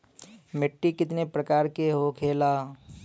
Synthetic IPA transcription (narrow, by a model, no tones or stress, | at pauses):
mɪʈːikɪt̪nepɾəkaːɾkeɦokʰeːlaː